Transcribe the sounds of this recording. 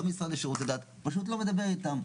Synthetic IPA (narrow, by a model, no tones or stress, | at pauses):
omisaleʃeʁut̪ed̪at̪ | paʃut̪̬lo̞me̞d̪abe̞ʁit̪am